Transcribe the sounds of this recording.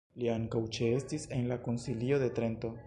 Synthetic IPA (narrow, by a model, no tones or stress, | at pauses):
liaŋkawt͡ʃe̞e̞stise̞nlako̞nsilio̞d̪e̞t̪ɾe̞nto̞